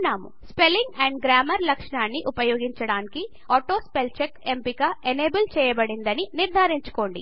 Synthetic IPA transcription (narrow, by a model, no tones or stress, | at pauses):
nːaːmṵspelːiŋɡɐɳɖɡɾaːmɐɾlɐkʂɳaːnːiʔupɐjo̞ːɡiɲt͡ʃɐɽaːniki | ɔːʈo̞ːspelt͡ʃekempikaʔeneːbɐlt͡ʃɛːjɐbɐɽind̪ɐniniɾd̪ʱaːɾiɲt͡ʃu̥ko̞ːɳɖḭ